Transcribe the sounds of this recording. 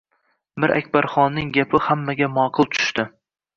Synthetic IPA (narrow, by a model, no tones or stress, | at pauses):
mɪɾʔa̰kʲbaɾχɒnːɪŋɡʲapʰɪhamːaɡʲamɒqʰɨlˠt̪ʰʊ̥ʃt̪ɪ